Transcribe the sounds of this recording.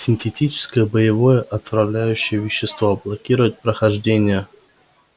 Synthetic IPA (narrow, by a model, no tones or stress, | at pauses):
sʲɪnʲtʲetʲit͡ɕɪ̥skəjəbəjɪvojəʔɐt̪vɾɐvlʲæjʉɕːɪjəvʲɪɕːɪst̪voblˠɐkʲiɾʊvɪt̪̚ʲpɾəxɐʐdʲenʲɪjə